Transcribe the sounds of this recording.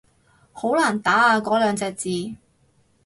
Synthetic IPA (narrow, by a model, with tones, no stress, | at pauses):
ho˨˥wlaː˨˩nt̪aː˨˥aː˧kɔː˨˥lœː˨˧ŋt͡sɛː˧k̚t͡siː˨˧